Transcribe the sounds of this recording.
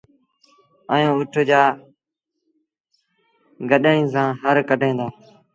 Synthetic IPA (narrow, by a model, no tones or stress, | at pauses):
əjũːʊʈʰd͡ʒaː | ɡəɗəĩːs̬ãːɦəɾkəɖʱẽːnd̪aː